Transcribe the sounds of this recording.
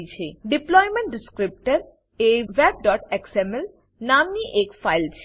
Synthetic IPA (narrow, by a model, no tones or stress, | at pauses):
t͡ɕʰeɖiplɔjmeɳʈɖiskɾip̚ʈəɾ | eʋɛb̚ɖɔʈeksemel | namniʔekfajlt͡ɕʰ